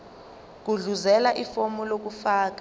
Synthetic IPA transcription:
k̬uɮuzɛlaʔifɔmɔlok̬ufaːk̬ḁ

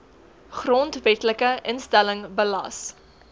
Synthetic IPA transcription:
χrɔntvɛtləkəʔənstæləŋbəlɐ̰s

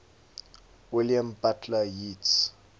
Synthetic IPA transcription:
wiliambatʰlajit

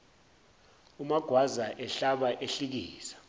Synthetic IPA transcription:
umaɡ̥ʱwazaʔɛɬaɓaʔeɬik̬iːsḁ

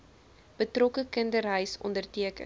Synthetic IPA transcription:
b̥ətrɔkəkəndərɦəjsɔ̰ndərtiəkə̰

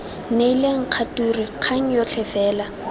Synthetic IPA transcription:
neileŋ̩q͡χʰaturiq͡χʰaŋ̩jɔt͡ɬʰɛfɛːla

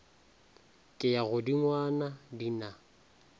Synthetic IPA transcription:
kʼɪjaɣʊdiŋwanadina

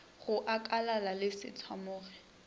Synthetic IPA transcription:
ɣʊʔakʼalalalɪsɪ̰t͡sʰwamʊːrɛ

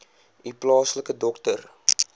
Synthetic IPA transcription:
iplɑːsləkədɔktər

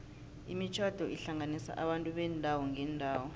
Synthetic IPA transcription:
ḭmit͡ʃʰad̥ʱɔʔiɬaŋanisa̰ʔaɓantʼuɓɛndʱawɔŋʱɛndʱaːwɔ

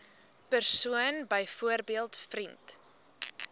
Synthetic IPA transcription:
pərsuənbəjfuərbiəlˠtfrint

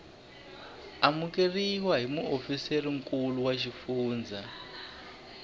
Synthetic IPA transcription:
amuk̬eriwaɦimuʔofiseriŋ̩kuluwaʃ̬ifuːnd͡zʱa

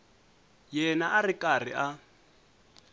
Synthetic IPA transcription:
jɛnaʔarikʼar̤ḭʔa

